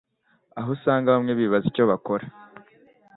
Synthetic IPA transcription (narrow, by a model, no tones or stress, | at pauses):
aɦosaːŋɡaβamŋe̞βiːβazico̞βakoɾa